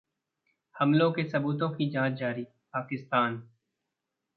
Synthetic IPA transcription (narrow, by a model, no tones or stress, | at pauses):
hɐmlõkesɐbuːt̪õkid͡ʒãːt͡ʃd͡ʒaːɾi | paːkɪst̪aːn